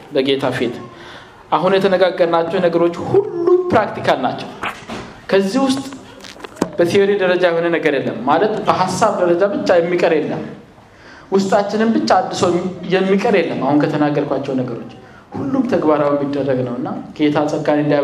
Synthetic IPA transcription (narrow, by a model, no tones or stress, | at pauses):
bəɡe̞t̪ʰafit̪ | ʔaɦunjɛt̪ʰənəɡaɡːəɾnat͡ʃːɛwnəɡəɾo̞t͡ʃːhulːumpɾakt̪ʰikʰalnat͡ʃːɛw | kʰəzːihwʊst̪ʼ | b̥ət̪ʰio̞ɾid̪əɾəd͡ʒajɛho̞nənəɡəɾjɛlːəmːalət̪bəɦasːaβd̪əɾəd͡ʒabɨt͡ʃːajɛmːikʼəɾjɛlːə̰m | wʊst̪ʼat͡ʃːɪnɨmbɨt͡ʃːaːd̪ːɨsəwjɛmːikʼəɾjɛlːəmːahunkʰət̪ʰənaɡːəɾkʷat͡ʃːɛwnəɡəɾo̞t͡ʃː | hulːumt̪ʰəɡbaɾawjɛmːid̪ːərːəɡnəwɨnːaɡ̥e̞t̪ʰasʼəɡanɨnd̪aja